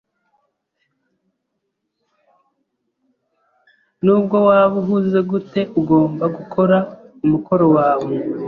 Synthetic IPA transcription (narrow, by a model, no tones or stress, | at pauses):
nuːb̚ɡo̞waːβuɦuze̞ɡute̞ʔuɡo̞ːmbaɡukʰo̞ɾaumukʰo̞ɾo̞waːβe